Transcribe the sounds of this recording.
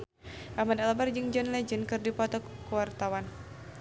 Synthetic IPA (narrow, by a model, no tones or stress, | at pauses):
ʔamadalabard͡ʒɨŋd͡ʒɔnlɛd͡ʒənkɨrdipɔt̪ɔkəwart̪awan